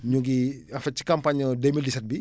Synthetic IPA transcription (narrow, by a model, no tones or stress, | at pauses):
ɲuɡiafat͡ʃi̥kampaɲədemildisɛt̚bi